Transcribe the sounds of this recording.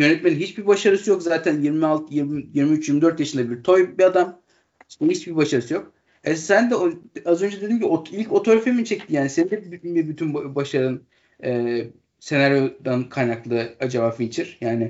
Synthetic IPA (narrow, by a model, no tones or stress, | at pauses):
jø̞nɛt̪̚meninɦit͡ʃbiɾbaʃaɾɯsɯjo̞kzaːt̪ʰænjiɾmialˠt̪ʰjiɾmjiɾmiyt͡ʃjiɾmid̪ø̞ɾt̪jaʃɯnd̪abiɾt̪ʰo̞jbiad̪am | sbuhit͡ʃbibaʃaɾɯsɯjo̞k̚ | ɛsænd̪ɛoazø̞nd͡ʒɛd̪ed̪inɟʰibilʲco̞t̪ʰo̞ɾafemint͡ʃʰɛct̪ʰijaːnisɛnd̪ɛbbibyt̪ʰynbbaʃaɾɯn | ɛː | se̞naɾjo̞d̪ankʰajnaklˠɯɯad͡ʒabaːfit͡ʃʰiɾ̥jaːnɪ